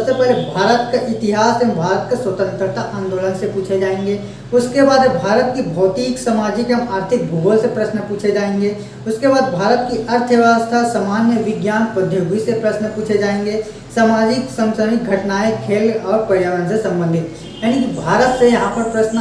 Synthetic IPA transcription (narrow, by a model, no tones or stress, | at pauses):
ɐbsepɛɦlebʱaːɾət̪kaʔɪt̪ɪɦaːsembʱaːɾət̪̚kasʋɐt̪ə̃nt̪ɾət̪aʔãːnd̪oːlənsepuːt͡ʃʰed͡ʒaːẽːŋɡeː | ʊskebaːd̪bʱaːɾət̪̚kibʱɔːt̪iːksɐmaːd͡ʒikeɦɐmaːɾt̪ʰɪk̚bʱoːɡəlsepɾɐsnəpuːt͡ʃʰed͡ʒaːẽːŋɡeː | ʊskebaːd̪bʱaːɾət̪̚kiʔɐɾt̪ʰəʋjaːst̪ʰasɐmaːnjəʋɪɡjaːnpəd̪ʱjoːɡisepɾɐsnəpuːt͡ʃʰed͡ʒaːẽːŋɡeː | saːmaːd͡ʒɪksɐ̃msəmɪɡʱɐʈnaːẽkʰeːlɔːɾpəɾjaːʋənsesɐ̃mbə̃nd̪ʱɪt̪ | jaːnikibʱaːɾət̪sejɐɦãpɐɾpɾɐʃn